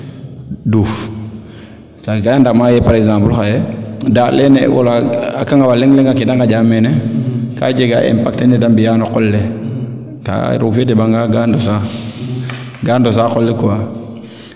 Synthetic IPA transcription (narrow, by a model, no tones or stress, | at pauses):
duf | taɡandamajɛpaɾɛɡzãmpulxajɛdaːtlenḛwo̰laakaŋɡawaleŋleŋakidaŋad͡ʒamenɛka̰d͡ʒeɡa̰ʔḛmpak̚tenedambijanokɔlːe | ta̰ɾuɡfedebaŋɡaɡandosa | ɡandosaxɔlːekuwa